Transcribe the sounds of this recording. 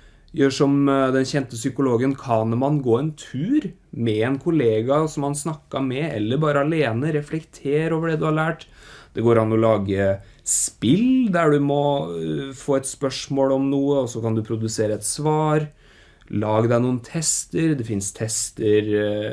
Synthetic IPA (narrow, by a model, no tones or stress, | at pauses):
jøːʂɔmd̪ɛnçɛnt̪əsʏkʊloːɡənkʰɑnmɑnɡoːɛnt̪ʰʉːɾ | mɛɛnkʰʊleːɡɑsɔmhɑnsnɑkːɑmɛɛ̰lːəɾbɑːɾəɑleːnəɾɛflɛkt̪ʰeːɾoːʋəɖɛd̪ʉhɑɾɭæːʈd̪̥ɛɡoːɾɑnːɔlɑːɡə | spɪld̪æɖʉmɔ | foːɛt̪spœʂmoːlɔmnuːəɔsːɔkɑnd̪ʉpʰɾʊd̪ʉseːɾəɛt̪sʋɑːɾ | lɑːɡəd̪æɪnuːənt̪ʰɛst̪əɾd̪ɛfɪnst̪ʰɛst̪əɾ